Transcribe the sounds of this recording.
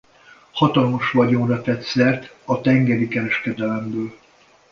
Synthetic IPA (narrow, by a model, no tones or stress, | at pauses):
hɒt̪ɒlmoʃʋɒɟonrɒt̪ɛt̪sɛrt̪ | ɒt̪ɛŋɡɛɾikɛɾɛʃkɛd̪ɛlɛmbøːl